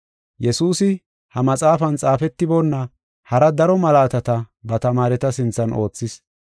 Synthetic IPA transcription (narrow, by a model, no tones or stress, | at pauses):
jɛsuːsɪ | hɐmɐt͡sʼaːfɐnt͡sʼaːfɛt̪ːɪbɔnːɐ | hɐɾɐd̪ɐɾɔmɐlaːt̪ɐt̪ɐbɐt̪ɐmaːɾɛt̪ɐsɪnt͡sːɐnʔo̞ːt͡sːɪs